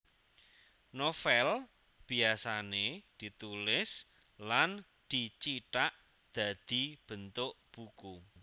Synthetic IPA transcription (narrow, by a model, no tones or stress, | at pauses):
nofɛl | b̥i̤asaned̪̥i̤t̪ulɪs | lan | d̪̥it͡ʃiʈaʔ | d̪̥a̤d̪̥i̤b̥ənt̪ʊʔb̥uku